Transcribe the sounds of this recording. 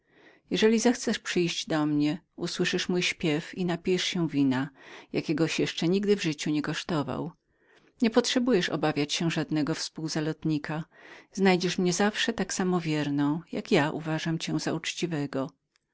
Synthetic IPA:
jɛʐɛlʲizaxt̪sɛʂpʂɘjʑd͡ʑd̪ɔmɲɛ | uswɘʂɘʂmujɕpʲjɛfinapʲijɛʂɕɛw̃vʲinajakʲɛɡɔɕjɛʂt͡ʂɛɲiɡd̪ɘvʐɘt͡ɕuɲɛkɔʂt̪ɔva̰w | ɲɛpɔtʂɛbujɛʂɔ̰bavʲjat͡ɕɕɛ̃ʐad̪nɛɡɔfspuwzalɔt̪ɲikʰaznajd͡ʑɛʂmɲɛzafʂɛt̪aksamɔvʲjɛɾnɔ̃w̃ja̰kjaʔṵvaʐamt͡ɕɛ̃zaut͡ʂt͡ɕivɛɡɔ

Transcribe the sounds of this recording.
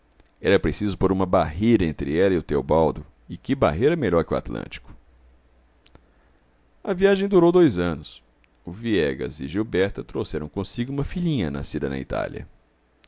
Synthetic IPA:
ɛɾɐpɾesizʊpoɾũmɐbaɦejɾɐẽnt̪ɾɪɛlɐiʊt̪ewbawd̪ʊ | ɪkɪba̰ɦejɾɐmeʎɔɾkɪʊa̰t̪lɐ̰̃nt͡ʃi̥kʊ̥ | ɐviaʒẽj̃d̪uɾowd̪ojzɐ̃nʊs | ʊviɛɡɐ̰zɪʒiwbɛɾt̪ɐt̪ɾowsɛɾɐ̃w̃kõsiɡʊũmɐfiʎĩɲɐna̰sid̪ɐnɐ̰ḭt̪a̰liɐ̰

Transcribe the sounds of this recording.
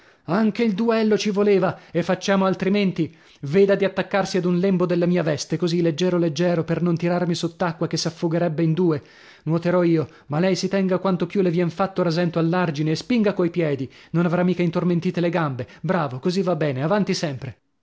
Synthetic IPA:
aŋk̟eild̪uɛlːot͡ʃivoleːvaefːat͡ʃːaːmoalt̪ɾiment̪i | veːd̪ad̪iat̪ːakːarsiad̪unlɛmbod̪elːamiːavɛst̪ekozilːed͡ʒːɛːɾoled͡ʒːɛːɾopernont̪iɾarmisot̪ːakːwakesːafːoɡeɾɛbːeind̪uːe | nwɔt̪eɾɔiːo | malːɛjsit̪ɛŋɡakwant̪opjulevjɛnfat̪ːoɾazɛnt̪oalːard͡ʒineːspiŋɡakoajpjɛːd̪inonavɾamːiːkaint̪orment̪iːt̪eleɡambebɾaːvokozivːabːɛːneavant̪isɛmpɾe

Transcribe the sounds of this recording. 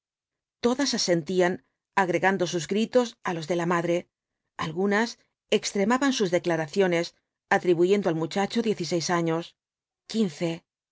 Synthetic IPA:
t̪o̞ðasase̞nt̪ian | aɣɾe̞ɣand̪o̞suzɡɾit̪o̞salo̞zðe̞lamaðɾe̞ | alɣunas | e̞kst̪ɾe̞maβansuzðe̞klaɾaθjo̞ne̞s | at̪ɾiβuʝe̞nd̪o̞almut͡ʃat͡ʃo̞ðje̞θise̞jsaɲo̞s | kinθe̞

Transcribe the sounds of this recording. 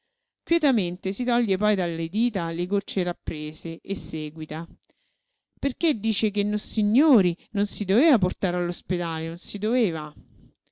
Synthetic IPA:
kwjɛt̪ament̪esit̪ɔʎːepɔjd̪alːed̪iːt̪alekot͡ʃːerapːɾeːzeʔesːeːɡwit̪a | perked̪ːiːt͡ʃekenːosiɲːoːɾinonsid̪oveːvaport̪aːɾalːosped̪aːlenonsid̪oveːva

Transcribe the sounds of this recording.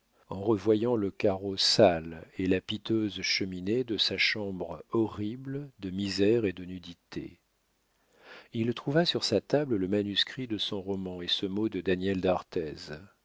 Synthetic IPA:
ɑ̃ʁəvwajɑ̃ləkaʁosalelapit̪øzʃəmined̪əsaʃɑ̃bʁɔʁibld̪əmizɛʁed̪ənyd̪it̪ʰḛ | ilt̪χuvasyʁsat̪ablləmanyskχid̪əsɔ̃ʁɔmɑ̃esəmod̪əd̪anjɛld̪aʁt̪ɛz

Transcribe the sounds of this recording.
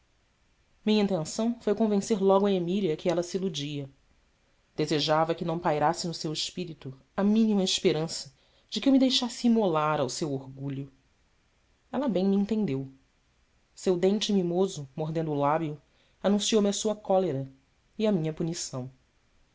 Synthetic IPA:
mĩɲɐĩnt̪ẽsɐ̃w̃fojkõvẽseɾlɔɡʊɐemiliɐkɪɛlɐsiilud͡ʒiɐ | d̪̥ezeʒavɐkɪnɐ̃w̃pajɾasɪnʊsewɪʃpiɾit̪ʊ | ɐmĩnimɐiʃpeɾɐ̃sɐ | d͡ʒɪkɪewmɪd̪ejʃasɪimolaɾawsewoɾɡuʎʊ | ɛlɐbẽj̃miĩnt̪ẽnd̪ew | sewd̪ẽnt͡ʃɪmimozʊmoɦd̪ẽnd̪ʊulabjʊ | anũsiowmɪɐsuɐkɔleɾɐ | iɐmĩɲɐpunisɐ̃w̃

